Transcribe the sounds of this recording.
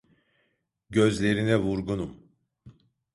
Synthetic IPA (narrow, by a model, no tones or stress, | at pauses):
ɟø̞zlʲe̞ɾinɛvuɾɡunum